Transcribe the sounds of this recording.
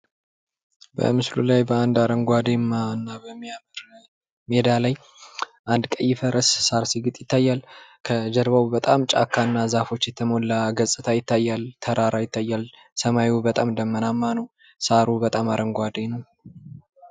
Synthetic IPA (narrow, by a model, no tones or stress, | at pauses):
bə̰mɨslṵlajbəand̪aɾəŋɡʷad̪emːanːabəmːijaməɾ | med̪alaj | ʔand̪kʼəjːɪfəɾʔəssaɾsiɡɨt̪ʼjɪt̪ːajːalkʰəd͡ʒəɾβawbət̪ʼamt͡ʃʼa̰kʰːanːazafo̞t͡ʃːjɛt̪ʰəmo̞lːaɡəsʼɨt̪ʰajɪt̪ːajːalt̪ʰəɾaɾajɪt̪ʰːajːal | səmawubət̪ʼamd̪əmːənamːanəw | saɾubət̪ʼamaɾʔəŋɡʷad̪enəw